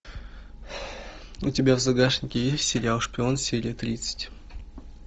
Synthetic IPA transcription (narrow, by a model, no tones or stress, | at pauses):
ʊtʲɪbʲavzɐɡaʂnʲɪkʲɪjesʲɪɾʲawˠʂpʲɪo̞nsʲeɾʲɪət̪ɾʲit̪sɨ̥tʲ